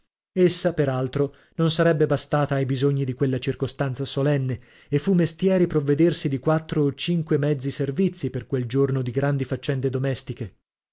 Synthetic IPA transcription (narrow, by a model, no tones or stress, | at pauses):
esːapeɾalt̪ɾo | nonsaɾɛbːebast̪aːt̪aːjbizoɲːid̪ikwelːat͡ʃirkost̪ant̪sasolɛnːe | efːumːest̪jɛːɾipɾovːed̪ersid̪ikwat̪ːɾoːt͡ʃiŋkwemɛd̪zːiservit̪sːiperkweld͡ʒornod̪iɡɾand̪ifat͡ʃːɛnd̪ed̪omɛst̪ike